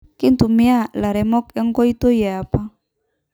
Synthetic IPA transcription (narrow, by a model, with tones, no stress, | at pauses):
ki˦nt̪u˨mia˦la˨ɾɛ˨mɔ˦kɛ˦ŋkɔ˦it̪o˦ja˨a˨pa˦